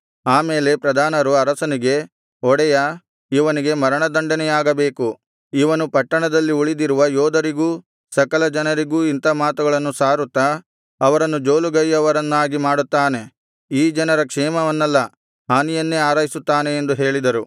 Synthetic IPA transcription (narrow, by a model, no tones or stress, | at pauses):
aːmeːle̞pɾɐd̪ʱaːnɐɾuɐɾɐsɐniɡe̞ | ɔɽɛjɐ | iʋɐniɡe̞mɐɾɐɳɐd̪ɐɳɖɐnɛjaːɡɐbe̞ːku | iʋɐnupɐʈːɐɳɐd̪ɐlːiuɭid̪iɾuʋɐjɔːd̪ɐɾiɡuː | sɐkɐlɐd͡ʒɐnɐɾiɡuːint̪ɐmaːt̪uɡɐɭɐnːusaːɾut̪ːɐ | ɐʋɐɾɐnːud͡ʒoːluɡɐjːɐʋɐɾɐnːaːɡimaːɽut̪ːaːne̞ | iːd͡ʒɐnɐɾɐkʂɛːmɐʋɐnːɐlːɐ | ɦaːnijɐnːeaːɾaːɦisut̪ːaːne̞ːnd̪uɦe̞ːɭid̪ɐɾu